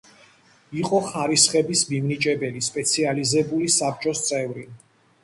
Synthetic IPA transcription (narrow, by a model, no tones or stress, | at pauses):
iqʼɔχaɾisχɛbismimnit͡ʃʼɛbɛlispʼɛt̪sʰializɛbulisap̚t͡ʃʼɔst̪sʼɛvɾi